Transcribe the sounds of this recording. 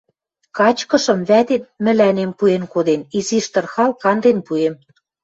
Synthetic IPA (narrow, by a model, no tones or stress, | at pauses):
kɑt͡ɕkɤ̆ʃɤ̆mβæt̪et̪̚mɘ̆lænempuenkod̪eniziʃt̪ɤ̆rxɑlkɑnd̪enpuem